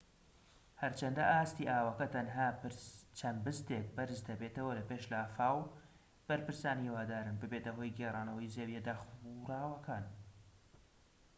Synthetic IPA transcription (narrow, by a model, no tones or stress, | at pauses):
hɐɾt͡ʃɐnd̪ɐ̰ʔaːst̪iːʔaːwɐkɐt̪ʰɐnɦaːpt͡ʃʰɐnbɨst̪ek̚bɐɾɨzd̪ɐbeːt̪ɐwɐlɐpeːʃlaːfaːw | b̥ɐɾpɨɾsaːniwaːd̪aːɾɨnbɨbet̪ɐɦo̞ːjɡeraːnɐwɐjzeːwjed̪aːxuɾaːwɐkʰaːn